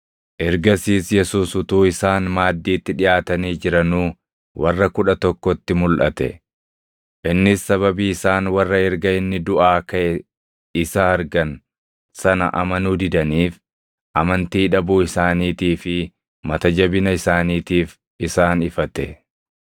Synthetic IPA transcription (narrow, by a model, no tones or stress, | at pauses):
ʔɛɾɡɐsiːsjɛsuːsʊt̪uːɪsaːnmaːd̪ːiːt̪ːɪᶑɪjʔaːt̪ɐniːd͡ʒɪɾɐnuː | wʔɐrːɐkʊᶑɐt̪ɔkːɔt̪ːɪmʊlʔɐ̰t̪ɛ̰ | ʔɪnːɪsːɐβɐbiːɪsaːnwɐrːɐɛɾɡɐɪnːɪd̪ʊʔaːkɐʔɛ | ɪsɐɐɾɡɐn | sɐnɐ̰ʔɐ̰mɐnuːd̪ɪd̪ɐniːf | ʔɐmɐnt̪iːᶑɐbuːɪsaːniːt̪iːfɪ | mɐt̪ɐd͡ʒɐbɪnɐɪsaːniːt̪iːf | ɪsaːnɪfɐt̪ɛ